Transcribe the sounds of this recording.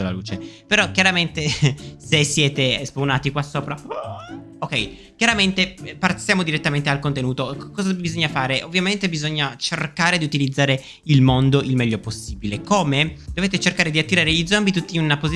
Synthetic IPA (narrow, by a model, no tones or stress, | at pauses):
ola̰lṵːt͡ʃepeɾɔkjaɾament̪esesːjɛːt̪espunaːt̪ikwasːoːpɾa | okɛj | kʲjaɾament̪eparsjaːmod̪iɾet̪ːament̪ealkont̪enuːt̪okkːɔːzabizoɲːafaːɾeʔovːjament̪ebizoɲːat͡ʃerkaːɾed̪iut̪ilid̪zːaːɾe | ilmond̪oʔilmɛʎːoposːiːbilekoːmed̪oveːt̪et͡ʃerkaːɾed̪iat̪ːiɾaːɾeid̪zombit̪ut̪ːiunapozi